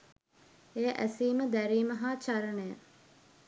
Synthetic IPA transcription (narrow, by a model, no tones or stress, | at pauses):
ejʔæsiːməd̪æɾiːməɦaːt͡ʃaɾənejə